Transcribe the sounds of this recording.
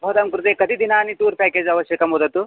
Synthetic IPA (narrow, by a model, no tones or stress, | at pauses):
bʱod̪ɐmkɾut̪ekɐd̪ʱid̪inaːnit̪uːɾpɛːkeːd͡ʒɐʋɐʃjɐkɐmɦoːd̪ɐt̪u